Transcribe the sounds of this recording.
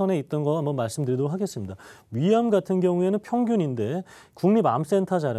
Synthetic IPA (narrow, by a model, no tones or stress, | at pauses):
ʌne̞it̚t͈ʌnɡʌambʌnmaɭs͈ɯmdɯɾidouɦaɡe̞s͈ɯmɲidaɥijamɡatʰɯnɡjʌŋue̞nɯnpʰjʌŋɡjuɲinde̞ | kuŋɲiba̰ms͈e̞ntʰad͡ʑaɾɯ